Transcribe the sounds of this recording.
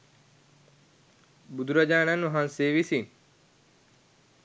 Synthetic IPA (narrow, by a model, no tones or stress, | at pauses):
bʊd̪uɾad͡ʒaːnanʋɐɦãːnseːʋisiːn